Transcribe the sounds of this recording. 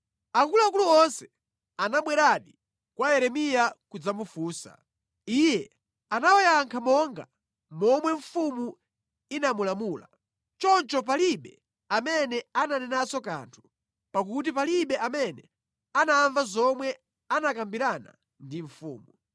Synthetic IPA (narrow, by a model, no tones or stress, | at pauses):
aŋɡulak̬uluɔnsɛ̥ | anaɓwɛɾaɗi | kwajɛɾɛmijakud͡zamufuːsa̰ | iːjɛ | anawɔjaŋkʰamɔŋɡa | mɔmwɛɱfumu | inamulamuːla | t͡ʃɔnt͡ʃɔp̬aliɓɛ | amɛnɛananɛnasɔka̰ntʰu̥ | pak̬ut̬ipaliɓɛʔamɛnɛ | anaːɱvazɔmwɛ | anakambiɾana̰ | ndiɱfṵːmu